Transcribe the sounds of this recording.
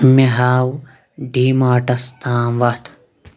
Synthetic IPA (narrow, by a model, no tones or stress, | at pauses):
meɦaːw | ɖiːmaːʈɐst̪aːmʋɐt̪ʰ